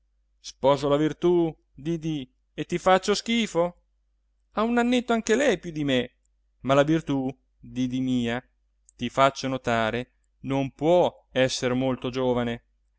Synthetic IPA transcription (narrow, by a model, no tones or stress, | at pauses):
spɔːzolavirt̪u | d̪id̪i | et̪ːifat͡ʃːosk̟iːfo | aunanːet̪ːoaŋk̟elɛjpjud̪ime | malavirt̪u | d̪id̪imiːa | t̪ifat͡ʃːonot̪aːɾe | nompwɔ | ɛsːeɾmolt̪od͡ʒoːvane